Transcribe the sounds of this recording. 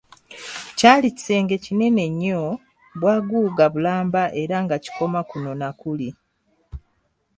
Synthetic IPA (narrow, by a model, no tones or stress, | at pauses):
caːlici̥se̞ːŋɡe̞cine̞ne̞ɲːo | βwaːɡuːɡaβulaːmbaʔe̞ɾaŋɡaci̥ko̞makuno̞nakuli